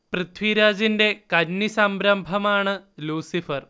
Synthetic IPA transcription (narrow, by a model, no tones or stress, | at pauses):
pɾɨt̪ʰwiːɾaːd͡ʒindekɐnːisɐmbɾɐmbʱɐmaːɳɐluːsifɐɾ